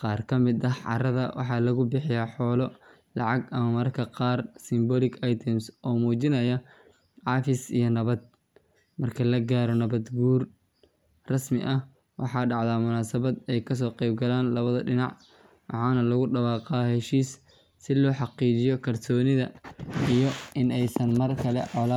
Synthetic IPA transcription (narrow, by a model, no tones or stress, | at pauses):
qɑːrkʰɐmɪd̪ɐɦʕɑ̰rɐðɐ̰wʔɑ̰ħɑːlɐɣʊbɪħɪjaːħɔːlɔ | lɑʕɑɡɐmɐmɐrkʰɐqɑːrsɪmbɔːlɪɡɑjt̪ʰɪmsʔɔːmuːt͡ʃɪnɐjɐ | ʕɑːfɪsḭjɔnɐβɐd̪̚ | mɐrkʰɐlɐɡaːɾɔnɐβɐd̪ɡuːr | rɐsmɪ̰ʔɐh | wʔɑħɑːɖɑʕðaːmʊnaːsɐβɐd̪ɛjkʰɐs̬ɔːqɛjb̚ɡɐlaːnlɐβɐðɐɖɪnɑʕ | wʔɑ̰ħɑːnɐlɐɣʊɖɐβɑːqɑːhɛʃiːsː | ɪlɔːħɑqiːt͡ʃɪjɔkʰɐrsɔːnɪðɐijɔɪnɛjsɐnmɐrkʰɐlɛ̰ʕɔla